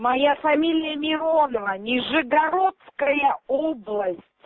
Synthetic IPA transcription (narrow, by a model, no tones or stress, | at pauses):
mɐjafɐmʲilʲɪjəmʲɪɾo̞nəvənʲɪʐɨɡɐɾot̪skəjəoblˠəsʲtʲ